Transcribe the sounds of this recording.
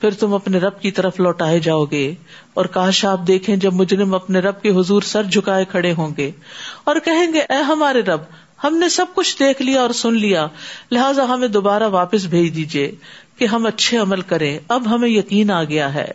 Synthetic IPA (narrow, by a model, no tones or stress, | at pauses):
pʰɪɾt̪ʊmɐpneɾɐb̚kit̪ɐɾəflɔːʈaːed͡ʒaːoːɡeː | ɔːɾkaːʃaːp̚d̪eːkʰẽd͡ʒɐbmʊd͡ʒɾɪmɐpneɾɐb̚keɦʊzuːɾsɐɾd͡ʒʱʊkaːekʰɐɽeɦõːŋɡeːɔːɾkɐɦẽːɡeʔɛːɦɐmaːɾeɾɐb | hɐmnesɐb̚kʊt͡ʃʰd̪eːkʰlijaɔːɾsʊnlijalɪɦaːzaɦɐmẽd̪oːbaːɾaʋaːpəs̬bʱeːd͡ʒd̪iːd͡ʒieːkeɦɐmɐtːʃʰeɐməlkɐɾẽɐbɦɐmẽjɐkiːnaːɡɐjaɦɛ̰ː